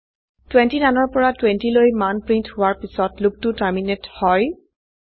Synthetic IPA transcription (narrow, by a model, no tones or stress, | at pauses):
twentinanɔɹpɔɹatwentilojmanpɹinthʊwaɹpisɔtlʊk̚tutaɹminethɔj